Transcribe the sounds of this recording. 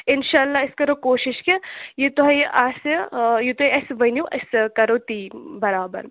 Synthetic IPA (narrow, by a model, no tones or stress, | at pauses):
ɪnʃaːɐlːaːɪskɐɾokoːʃɪʃkejit̪oɦɐjʔɐsjit̪uɐɐsʋɐnjuʔɐskɐɾoːt̪iːbɐɾaːbɐ̰ɾ